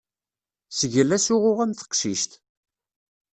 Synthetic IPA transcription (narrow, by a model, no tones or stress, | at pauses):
səʝəlːæsʊʁʊʁæmθə̥qʃiʃt̪